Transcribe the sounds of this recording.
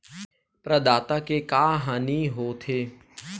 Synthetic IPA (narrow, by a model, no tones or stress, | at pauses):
pɾəd̪aːt̪akekaːɦaːniɦoːt̪ʰeː